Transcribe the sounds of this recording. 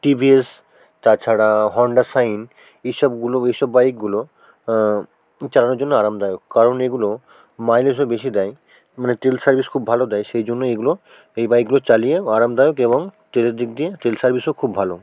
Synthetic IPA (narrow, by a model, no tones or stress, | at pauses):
ʈibies | t̪at͡ɕʰaɽaɦɔɳɖaɾsajn | ejʃɔbɡuloejʃɔbːajk̚ɡulo | t͡ɕalanoɾd͡ʑonːoaɾamd̪ajokːaɾoneɡulo | majleʃ̬ɔbeʃid̪ɛj | maneʈ̪elsaɾbiskʰubʱalod̪ɛjʃejd͡ʑonːoeɡulo | ejbajk̚ɡulot͡ɕalijeaɾamd̪ajokeboŋt̪eleɾd̪ik̚d̪ijet̪elsaɾbʱisokʰubbʱalo